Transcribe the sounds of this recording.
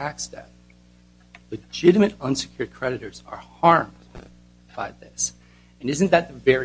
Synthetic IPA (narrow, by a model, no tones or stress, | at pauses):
æksdɛ̰t̚ | lɨd͡ʒɪɾɨmɨɾʌ̃nsɨ̥kʰj̥ʊɹd̚kʰɹ̥ɛɾɨɾə˞zə̰˞hɑɹmd | b̥aɪðɪs | ɨ̃nɪzɨ̃nðɨt̪̚ðɨvɛɹi